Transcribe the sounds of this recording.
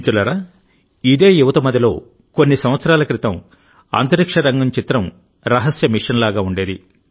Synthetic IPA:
t̪ulɐɾɐ | id̪e̞ːjuʋɐt̪ɐmɐd̪ɐlo̞ː | ko̞nːisɐmʋɐt̪sɐɾaːlɐkɾit̪ɐm | ɐ̰ːnt̪ɐɾikʂɐɾɐŋɡɐmt͡ʃit̪ɾɐm | ɾɐɦɐsjɐmiʂɐnlaːɡaːuɳɖeːd̪i

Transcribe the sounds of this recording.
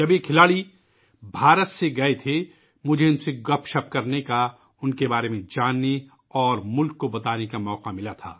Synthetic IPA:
d͡ʒɐbjekʰɪlaːɭi | bʱaːɾət̪seɡɐet̪ʰe | mʊd͡ʒʱeʊnseɡɐpʰʃɐp̚kɐɾneka | ʊnkebaːɾemẽd͡ʒaːnːe | ɔːɾmʊlkːobɐt̪aːnekamɔːqamɪlat̪ʰa̰ː

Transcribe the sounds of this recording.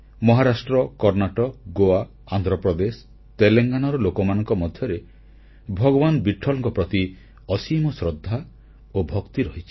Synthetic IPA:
mɔɦaɾasʈɾɔkɔɾnaʈɔɡoa | and̪ɾɔpɾɔd̪es | t̪eleŋɡanɔɾɔlokɔmanɔŋkɔmɔd̪ʱjɔɾe | bʱɔɡɔbanbiʈʰːɔlɔ̃ŋkɔpɾɔt̪i | ɔsimɔsɾɔd̪ʱːa | obʱɔkt̪iɾɔɦit͡ʃʰi̥

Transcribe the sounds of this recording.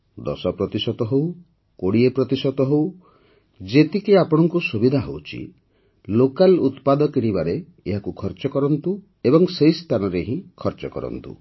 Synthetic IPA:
d̪ɔ̰sɔpɾɔt̪isɔt̪ɔɦow | koɽiepɾɔt̪isɔt̪ɔɦow | d͡ʒet̪ikiapɔɽ̃ɔŋkusubid̪ʱaɦowt͡ʃʰḭ | lokalut̪pad̪ɔkiɽ̃ibaɾe | eɦakukʰɔɾt͡ʃɔkɔɾɔnt̪u | ebɔŋsejst̪ʰanɔɾeɦĩkʰɔɾt͡ʃɔkɔ̰ɾɔ̰nt̪ṵ

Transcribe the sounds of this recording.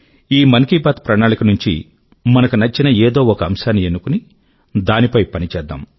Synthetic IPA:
iːmɐnkiːbaːt̪pɾɐɳaːnikɐnuɲt͡ʃḭ | mɐnɐkunɐt͡ʃːinɐeːd̪o̞ːɔkɐɐmʃaːnːienːukuni | d̪aːnipɐjpɐnit͡ʃɛːd̪ːa̰ːm

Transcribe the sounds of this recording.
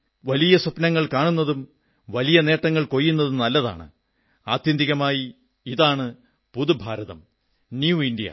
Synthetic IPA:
ʋɐlijɐsɐpnɐŋːɐɭkaːɳunːɐðum | ʋɐlijɐne̞ːʈːɐŋːɐɭko̞jːunːɐðumnɐlːɐða̰ːɳɨ̰ | aːt̪jɐnd̪iɣɐmaːji | iðaːɳɨ | puðubʱaːɾɐðɐ̰m | njuindijɐ̰

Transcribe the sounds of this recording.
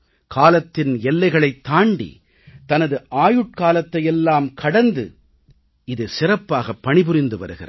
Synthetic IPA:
kʰaːlɐt̪ːɪnɛlːɐɪɣɐɭɐɪt̪ːaːɳɖḭ | t̪ɐnɐðɯʔaːjɯʈ̚kaːlɐt̪ːɐjɛlːaːmkʰɐɽɐnd̪ɯ̰ | ɪðɯsɪrɐpːaːɣɐpːɐɳɪpɯɾɪnd̪ɯʋɐ̰ɾɯɣɪ̰rɐ̰

